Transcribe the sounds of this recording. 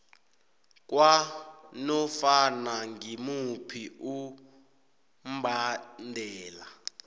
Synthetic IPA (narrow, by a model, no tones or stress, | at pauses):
k̬ʼwanɔfanaŋɡimupʰiu | m̩bʱandʱɛːla